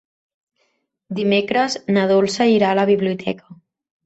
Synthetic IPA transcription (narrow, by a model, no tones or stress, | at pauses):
d̪imekɾəznəð̞olˠsəiɾaləβ̞iβliut̪ʰɛ̰kə